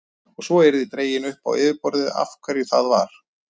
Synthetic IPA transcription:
ɔɣsɔɛjɾðit̪ɾeːjɪnʏhpa̰wɪːvɪpɔɾðɪða̰fkʰvɛɾjʏθaðva̰ɾ̥

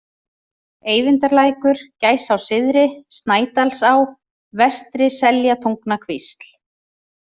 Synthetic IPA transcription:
eːjvɪnt̪aɾlaːjkʏɾ̥caːjsawsɪðɾɪst̪naːjt̪alsaw | vɛst̪ɾɪsɛljat̪ʰowŋknakʰvist̪l̥

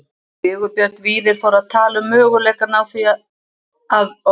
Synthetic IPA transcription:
ɪːɣʏpjœɾt̪viːðɪɾ̥fawɾaðt̪ʰaːlʏmːœːɣʏlɛjkaɾnaːwθi | að

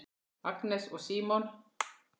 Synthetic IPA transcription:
aɡnɛsɔsiːmɔn

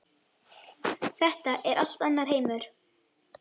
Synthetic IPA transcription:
θɛht̪aʔɛɾʔal̥t̪anːaɾ̥ɦeːjmʏɾ̥

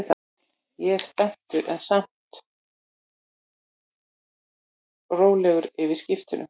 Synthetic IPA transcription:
θ | jɛspɛn̥t̪ʏɾʔɛnsam̥t̪ | roːwlɛːɣʏɾɪvɪ̥scɪft̪ʏnʏ̰

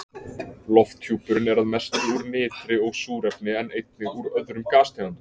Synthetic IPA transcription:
lɔft̪ʰjuːpʏɾɪnɛɾaðmɛst̪ɾɪuɾnɪːt̪ɾɪɔɣsuːɾɛpnɪɛnejt̪nɪɣuɾœðɾʏmkaːst̪ʰaːant̪ʏ

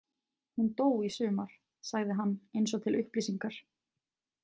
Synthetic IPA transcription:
hunt̪oːwɣisʏːmaɾ̥ | saɣðɪɦanːejnsɔt̪ʰɪlʔʏhpliːsiŋkaɾ̥

